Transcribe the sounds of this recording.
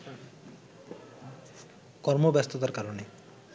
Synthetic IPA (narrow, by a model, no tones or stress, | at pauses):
kɔɾmobjast̪ʰot̪aɾkaɾone